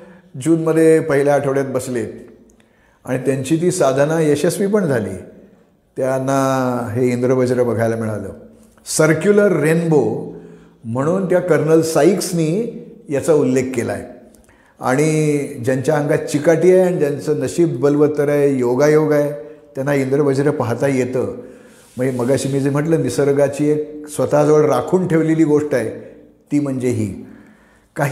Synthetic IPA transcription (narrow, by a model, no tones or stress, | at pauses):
d͡ʑuːnməd̪ʱːjepəɦiljaːʈʰəʋɽjat̪̚bəsle | a̰ɽ̃it̪jaɲt͡ɕiːt̪̬iːsad̪ʱanaesespiːpəɳd͡zʱalḭː | t̪janːaɦeind̪ɾəbəd͡ʑɾəbəɡʱajlamiɭaʋlə̰ː | səɾkjuləɾːenbo | m̤əɽ̃uːnt̪jakəɾnəlsaiksniːjat͡saulːekːela̰ḛ | a̰ɽ̃id͡ʑjaɲt͡ɕjaəŋɡat̪̚t͡ɕikaʈiːajaɽ̃id͡ʑ̪jant͡səːnəɕiːb̚ːəlʋət̪əɾajjoɡajoɡaet̪janːaind̪ɾəbəd͡ʑɾəpaɦt̪ajet̪əː | məɡeməɡaɕiːmiːd͡zem̤əʈ̬ləːnisəɾɡat͡ɕiːek̚sʋət̪ad͡zəʋəɭɾakʰuːnʈʰeʋleliːɡoʂʈaje | t̪iːm̤əɳd͡zeɦḭː | kaɦ